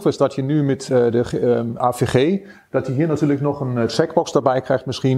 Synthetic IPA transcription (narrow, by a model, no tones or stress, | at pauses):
tɪsdɔtʰjənymɛtdəaːfeχeː | d̥ɔtjəɦiːɹnatyːləknɔχənsɛkbɔksdarbɛjkrɛjxtmɪsχi